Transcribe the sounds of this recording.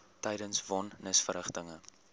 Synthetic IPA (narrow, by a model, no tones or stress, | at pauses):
tɛjdənsvɔnːəsfəɾəχtəŋə